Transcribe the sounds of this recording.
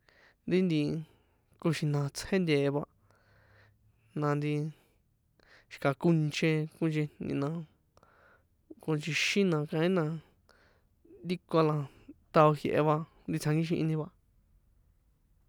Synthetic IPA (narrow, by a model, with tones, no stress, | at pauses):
nd̪i˦nd̪i˧ | ku˧ʃĩ˧nã˧t͡she˦nd̪ʲeː˨˧βa˧ | nã˧nd̪i˧ | ʃi̥˧ka˧˨ku˧nt͡ʃẽ˧kũ˧nt͡ʃi˧nnnḭ̃˧nã˧ | kũ˧nt͡ʃi˧ʃĩ˦nã˧kã˧ĩ˦nã˧ | nd̪i˦ko˧lã˧t̪a˧o˧hje˧ʔḛ˧βa˧nd̪i˧t͡sʰã˧ŋɡi˦ʃ̬ĩ˧ʔĩ˧nĩ˧βa˧